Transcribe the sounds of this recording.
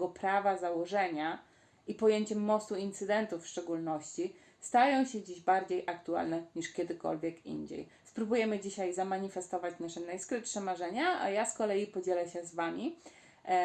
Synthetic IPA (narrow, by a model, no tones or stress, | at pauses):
ɡɔpɾavazawɔʐɛɲa | ipɔjeɲt͡ɕɛmːɔst̪uint̪sɘd̪ɛnt̪ufːʂt͡ʂɛɡulnɔɕt͡ɕi | st̪ajɔ̃w̃ɕɛd͡ʑiʑbaɾd͡ʑejʔakt̪ua̰lnɛɲiʂkʲɛd̪ɘkɔ̰lvʲjɛkḭnd͡ʑḛj | spɾubujɛmɘd͡ʑiɕajzamaɲifɛst̪ɔvat͡ɕnaʂɛnajskɾɘt̪ʂɛmaʐɛɲaa̰jaskɔlɛjipɔd͡ʑɛlɛɕɛzvamʲi